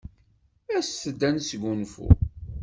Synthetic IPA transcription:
æsθəd̪ːænsɡʷunfṵ

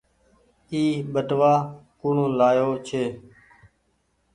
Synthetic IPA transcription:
iːɓəʈʋaːkuːɳõːlaːjoːt͡ʃʰeː

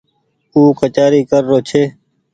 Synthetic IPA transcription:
uːkət͡ʃaːɾiːkəɾːoːt͡ʃʰeː

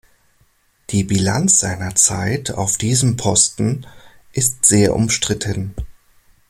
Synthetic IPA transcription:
d̥iːbilant͡sz̥aɪnɐt͡sa̰ɪtʰa̰ʊfd̥iːzəmpʰɔstn̩ | ʔɪstz̥eːɐʔʊ̰mʃtʁ̥ɪtʰən

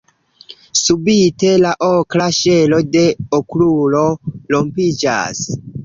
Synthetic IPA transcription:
subite̞laʔokɾaʃelo̞de̞oklulo̞lo̞mpid͡ʒa̰s

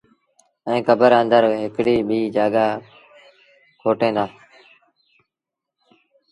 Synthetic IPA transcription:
ɛ̃ːkəbəɾə̃nd̪əɾɦɪkɽiːɓiːd͡ʒaːɡaː | kʰoːʈẽːnd̪aː

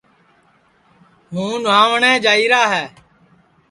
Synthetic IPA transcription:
ɦũːnʋãːʋəɳɛ̃ːd͡ʒaːiːɾaːɦɛː

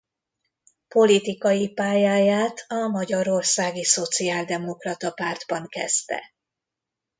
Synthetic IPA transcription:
po̞lit̪ikɒjipaːjaːjaːt̪ʰɒmɒɟɒɾo̞rsaːɡiso̞t̪siaːld̪ɛmo̞krɒt̪ɒpaːrd̪bɒŋkɛst̪ɛ̰

